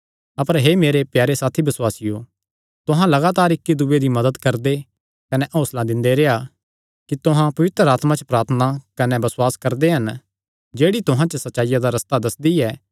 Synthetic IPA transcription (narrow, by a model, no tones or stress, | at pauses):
ɐpəɾɦemeːɾepjaːɾesaːt̪ʰibɪswaːsɪjo | t̪ʊɦãlɐɡaːt̪aːɾɪkːid̪uːed̪imɐd̪əd̪kɐɾd̪e | kɐnɛʔɔ̃ːslãd̪ɪ̃nd̪eɾeːa | kit̪ʊɦãpɐʋɪt̪ɾəaːt̪mãt͡ʃəpɾaːɾt̪ʰənakɐnɛbɐswaːskɐɾd̪eɦɐn | d͡ʒeːɽit̪ʊɦãt͡ʃəsɐtːʃaːɪjãd̪aɾɐst̪ad̪ɐsd̪iɛː